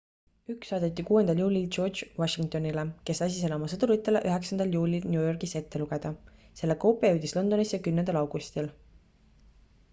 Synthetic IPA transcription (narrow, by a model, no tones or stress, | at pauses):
yksːɑːd̪et̪ːˑikuːe̞nd̪ɑljuːlʲilt͡ʃo̞ːrd̪d͡ʒwɑʃiŋk̚t̪o̞nileke̞sɑs̬ʲiseleo̞mɑsɤd̪uɾut̪ːˑeleʔyɦe̞ksɑnd̪ɑljuːlʲilnʲjuːjo̞rɡ̥ise̞t̪ːe̞luɡ̥e̞d̪̥ɑ | se̞lːekowpːˑejøɥd̪islo̞nd̪̥o̞nisjɑkymnenɑlɑwɡ̥ust̪il